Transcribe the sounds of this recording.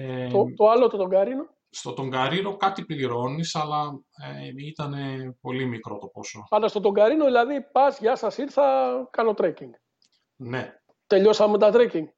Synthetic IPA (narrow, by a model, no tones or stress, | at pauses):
et̪ot̪o̞ɐlot̪ot̪o̞ŋɡɐɾino̞ | st̪o̞t̪o̞ŋɡɐɾino̞kɐt̪ipliɾo̞nisɐlɐ | eit̪ɐne̞po̞limikɾo̞t̪opo̞sopɐld̪ɐst̪ot̪o̞ŋɡɐɾinoðilɐðipɐzʝɐsɐsiɾθɐkɐno̞t̪ɾeciŋɡ | ne̞ | t̪e̞ʎo̞sɐmet̪ɐt̪ɾeciŋɡ